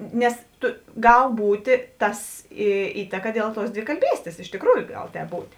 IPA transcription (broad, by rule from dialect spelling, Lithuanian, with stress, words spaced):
ˈnʲɛs ˈtʊ ˈɡɐlˠ ˈbuːtʲeː ˈtɐs iː ˈiːtɐkɐ ˈdʲeːlˠ ˌtuɔs dʲʋʲɪkɐlʲˈbʲiːsʲtʲeːs ɪʃ tʲɪkˈruːjʊ ˈɡɐlˠ ˈtʲɛːp ˈbuːtʲ